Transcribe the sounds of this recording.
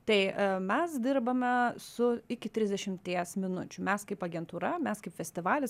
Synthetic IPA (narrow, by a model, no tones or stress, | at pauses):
t̪ɐɪmʲɛsd̪ʲɪɾbɐmʲɛsʊɪkʲɪt̪ʲɾʲɪzʲd̪ʲɛʃʲɪmt̪ʲiɛsmʲɪnʊt͡ʃʲʊmʲɛskɐɪpɐɡʲɛnt̪uːɾɐmʲɛskɐɪpʲfʲɛsʲt̪ʲɪʋɑːlʲɪs